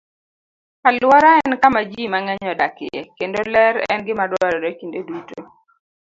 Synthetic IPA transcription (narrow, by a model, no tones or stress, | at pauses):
kalwɔɾaɛnkamad͡ʒimaŋɛɲɔdakɪ̰ɛ̰kendolɛɾɛ̰nɡɪmadwaɾɔɾekindeduto